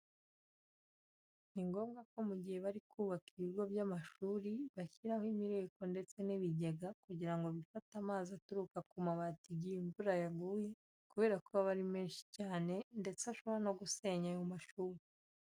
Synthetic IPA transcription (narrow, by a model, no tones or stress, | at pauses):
niŋɡo̞ːmɡako̞muɟihe̞βaɾikʰuːβakiβiɾɡo̞βjamaʃuːɾiβaçiɾahoimiɾe̞ːko̞nde̞t͡se̞niβiɟeɡakuɟiɾaŋɡo̞βifatamaːzatuɾukakumaβatiɟiiɱvuɾajaɡuːje̞ | kuβe̞ːɾakuβaβaɾimeːnʃi̥caːne̞nde̞t͡seaʃoβano̞ɡuse̞ːɲajomaʃuːɾi